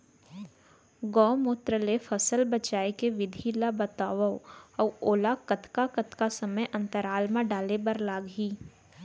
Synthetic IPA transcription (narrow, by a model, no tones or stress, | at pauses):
ɡɔ̃ːmoːt̪ɾəlefəsəlbət͡ʃaːekeʋɪd̪ʱilabət̪aːʋəɔːoːlakət̪ʰkakət̪ʰkasəməjʔɐ̃nt̪əɾaːlmãɖaːlebɐɾlaːɡɦiː